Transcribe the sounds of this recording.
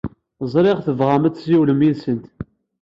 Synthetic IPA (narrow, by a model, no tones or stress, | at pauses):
zˤɾˤeʁθəvʁamæt͡sːsiwləmiðsənt̪